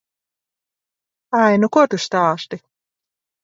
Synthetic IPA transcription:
ajnukɔt̪ust̪ɑːʃt̪i

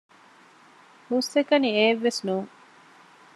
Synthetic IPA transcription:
husːekɐnieːʋːesnuːŋ

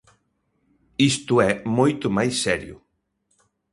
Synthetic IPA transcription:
ist̪ʊɛmojt̪ʊmajsːɛɾjʊ̰

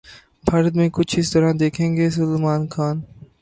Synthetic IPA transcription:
pʰɐɾd̪mẽːkʊt͡ʃʰist̪ɐɾãːnd̪eːkʰẽŋɡeːs̬ʊlmaːnkʰaːn

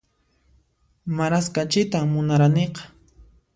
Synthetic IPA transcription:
maɾaskat͡ʃɪt̪amʊnaɾaneqɑ̥

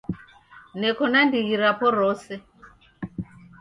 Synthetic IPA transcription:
nɛkɔnandiɣiɾapɔɾɔsɛ

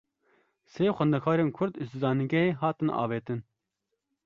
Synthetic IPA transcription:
seːxɛnd̪ɛkʰɑːɾeːnkʰʊɾd̪ɨst̪ɨzɑːniɡʲɛeːɦɑːt̪ɨnɑ̰ːveːt̪ɨn

